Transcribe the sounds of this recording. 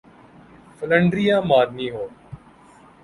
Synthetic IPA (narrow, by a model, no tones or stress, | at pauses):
fʰələɳɖɾijãːmaːɾnĩːɦoː